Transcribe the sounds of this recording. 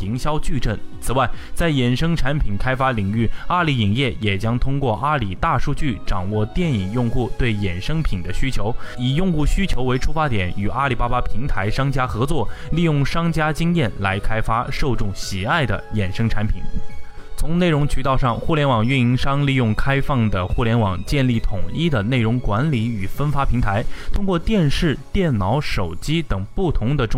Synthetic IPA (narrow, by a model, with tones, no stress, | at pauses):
i˧˥ŋɕjɑ˥ʊt͡ɕy˥˧ʈ͡ʂə˥˩nt͡sʰɹ̩˨˩wa˥˩ɪt͡sa˥˩ɪjɛ˨˩nʂɤ˥ŋʈ͡ʂʰa˧˥npʰi˨˩nkʰa˥ɪfa˥li˨˩ŋy˥˩a˥˧li˧˥i˨˩ŋjɛ˥˩jɛ˨˩t͡ɕjɑ˥ŋt̪ʰʊ˥ŋkwɔ˥˩ʔa˥li˨˩t̪a˥˧ʂu˥˧t͡ɕy˥˩ʈ͡ʂɑ˨˩ŋwɔ˥˧t̪jɛ˥˩ni˨˩ŋjʊ˥˧ŋxu˥˧t̪we˥˩ɪjɛ˨˩nʂɤ˥ŋpʰi˨˩nd̪ə˦ɕy˥t͡ɕʰjo˧˥ʊi˨˩jʊ˥˧ŋxu˥˩ɕy˥t͡ɕʰjo˧˥ʊwe˧˥ɪʈ͡ʂʰu˥fa˥t̪jɛ˨˩˦ny˨˩ʔa˥li˨˩pa˥ba˥pʰi˧˥ŋt̪ʰa˧˥ɪʂɑ˥ŋt͡ɕja˥xɤ˧˥t͡swɔ˥˩li˥˧jʊ˥˩ŋʂɑ˥ŋt͡ɕja˥t͡ɕi˥ŋjɛ˥˩nla˧˥ɪkʰa˥ɪfa˥ʂo˥˧ʊʈ͡ʂʊ˥˩ŋɕi˨˩a˥˩ɪd̪ə̰˩jɛ˨˩nʂɤ˥ŋʈ͡ʂʰa˧˥npʰḭ˨˩˦n | t͡sʰʊ˧˥ŋne˥˩ɪɻʊ˧˥ŋt͡ɕʰy˧˩t̪ɑ˥˧ʊʂɑ˥˧ŋxu˥˩ljɛ˧˥nwɑ˨˩ŋy˥˩ni˧˥ŋʂɑ˥ŋli˥˧jʊ˥˩ŋkʰa˥ɪfɑ˥˩ŋd̪ə˩xu˥˩ljɛ˧˥nwɑ˨˩ŋt͡ɕjɛ˥˧nli˥˩t̪ʰʊ˨˩ŋi˥d̪ə˨ne˥˩ɪɻʊ˧˥ŋkwa˧˥nli˧˥y˨˩fə˥nfa˥pʰi˧˥ŋt̪ʰa˧˥ɪt̪ʰʊ˥ŋkwɔ˥˧t̪jɛ˥˧nʂɻ̩˥˩t̪jɛ˥˩nnɑ˧˥ʊʂo˨˩ʊt͡ɕi˥t̪ɤ˨˩ŋpu˥˩t̪ʰʊ˧˥ŋd̪ə˧ʈ͡ʂ